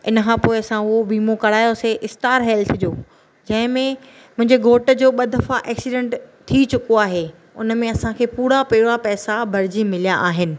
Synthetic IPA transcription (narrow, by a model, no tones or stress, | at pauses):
ɪ̰nəkʰãpoːɪɐsãʊɦobiːmokɐɽ̤aːjoseʔɪstaːɾɦɛːlt̪ʰd͡ʑoː | d͡ʑɐ̃ɦɪ̃mẽ | mʊ̃ɦɪ̃ɲd͡ʑeɡʱoːʈə̆d͡ʑoːɓɐd̪ʱəfaʔɛːksiɖẽɳʈt̪ʰːit͡ɕʊkoaːɦe | ʊ̰nmẽɐsãkʰeːpuːɽapeːɽapɛːsabʱɐɾd͡ʑimɪlijaʔaːɦɪnɪ̆